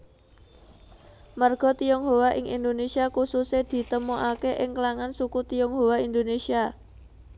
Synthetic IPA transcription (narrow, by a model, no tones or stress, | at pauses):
marɡ̥ɔ̤t̪ijɔŋɦowaʔɪŋḭnd̪onesiakusused̪̥i̤t̪əmoʔakeʔɪŋklaŋansukut̪ijɔŋɦowaind̪onesia